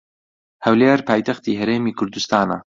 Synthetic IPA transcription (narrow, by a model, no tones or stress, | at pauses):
hɐwleːɾpaːjt̪ɐxt̪iːɦɐɾeːmiːkʰʊɾd̪ust̪aːnɐ̰